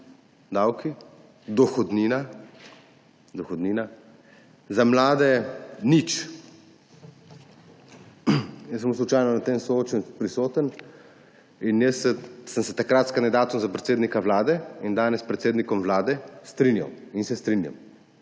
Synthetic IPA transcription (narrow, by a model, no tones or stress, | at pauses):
d̪awki | d̪ɔxɔd̪niːna | d̪ɔxɔd̪niːna | zamlaːd̪ɛnit͡ʃ | jəs̬əmuslut͡ʃaːjnɔnat̪emsɔoːt͡ʃɛnpɾisoːt̪ən | injəsɛsəmsɛt̪akɾat̪skand̪id̪aːt̪umzapɾɛt̪seːd̪nikaʋlaːd̪ɛind̪aːnɛspɾɛt̪seːd̪nikɔmʋlaːd̪ɛst̪ɾinja̰winsɛst̪ɾinja̰m